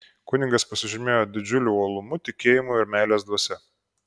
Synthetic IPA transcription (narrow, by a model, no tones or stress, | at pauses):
kʊnʲɪŋɡɐspɐsʲɪʒʲɪmʲeːjoːd̪ʲɪd͡ʒʲʊlʲuɔlˠʊmʊt̪ʲɪkʲeːjɪmuɪɾmʲæˑɪlʲeːsd̪ʋɔsʲɛ